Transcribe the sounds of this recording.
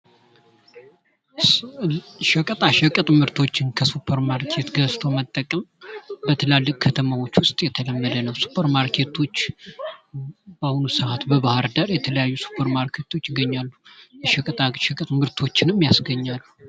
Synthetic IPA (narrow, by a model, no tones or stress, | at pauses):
ʃəkʼət̪ʼaʃəkʼɨt̪ʼmɨɾt̪ʰo̞t͡ʃːɪnkʰəsupʰːəɾmaɾkʰe̞t̪ɡəst̪ʰo̞mət̪ʼːəkʼəmbət̪ʰəlalːɨkʼkʰət̪ʰəmawo̞t͡ʃːwʊst̪ʼjɛt̪ʰələmːəd̪ənəwsu̥pʰːəɾmaɾkʰe̞t̪ʰo̞t͡ʃː | bahunusɨat̪bəβahaɾd̪əɾjɛt̪ʰələjajːusu̥pʰəɾmaɾkʰe̞t̪ʰo̞t͡ʃːɪɡːəɲːalːujɛʃəkʼət̪ʼaʃəkʼɨt̪ʼmɨɾt̪ʰo̞t͡ʃːɪnɨmːjasɡəɲːalːu